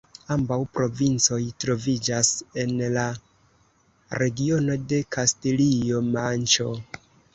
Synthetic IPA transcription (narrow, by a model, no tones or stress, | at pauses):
ambawpɾo̞vint͡so̞jtɾo̞vid͡ʒase̞nla | ɾe̞ɡio̞no̞de̞kastilio̞mant͡ʃo̞